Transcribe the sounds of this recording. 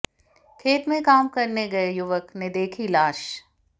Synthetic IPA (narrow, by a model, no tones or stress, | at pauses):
kʰeːt̪mẽkaːmkɐɾneɡɐejʊʋəkned̪eːkʰilaːʃ